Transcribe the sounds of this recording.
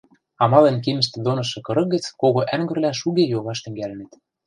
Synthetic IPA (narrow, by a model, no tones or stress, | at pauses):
ɑmɑlenk̬imə̆ʃ̬t̪ĕd̪onɤ̆ʃ̬ɤ̆kɤ̆ɾɤ̆k̚ɡə̆t͡skoɣoʔæŋɡə̆rlæʃuɣejoβɑʃt̪ɘ̆ŋɡælɘ̆nĕt̪